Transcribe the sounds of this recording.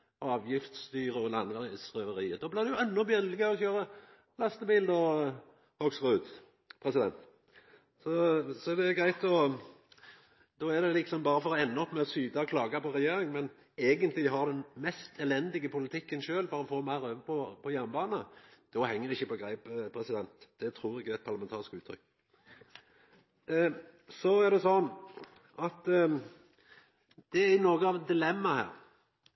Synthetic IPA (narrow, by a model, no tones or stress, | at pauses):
ɔɑːʋjɪft̪st̪yːʁəɔlɑnʋsʁœːʋəɾiːəd̪oːblɪʁd̪ʉjʊɛnːɔbjɛlɪɡəɔçøːɾə | lɑst̪əbiːld̪ɔ | hɔɡsʁʉːd̪ | pʰʁɛsɪd̪ɛ̰nt̪ | sɔsɔɛd̪ɛɡɾæɪt̪ɔ | d̪oːæd̪ɛlɪksɔmbɑːɾəfɔɾɔɛnːəɔpːmɛɔsyːd̪ɑɔkʰlɑːɡɑpɔɾɛjeːɾɪŋmɛn | eːɡənt̪lɪɦɑʁd̪ɛnmɛst̪ʰɛlɛnd̪ɪɡəpʰʊlɪt̪ʰɪkːənʃøːlfɔɾɔfoːmæɪɾøːʋəpʰɔpʰɔjæʁnəbɑːnəd̪̥ɔhɛŋːəɾɪçːəpɔɡɾeɪppʰɾɛsɪd̪ɛnt̪d̪̥ɛt̪ʰɾuːɾɪkːɛt̪pʰɑʁlɑmɛnt̪ʰɑːɾɪskəʉːt̪ʰɾʏ̰kː | sɔæd̪ɛsɔn | ɑt̪ | d̪̥ɛɪnoːɡəɑʋd̪ɪlɛmːɑhæ̰ːɾ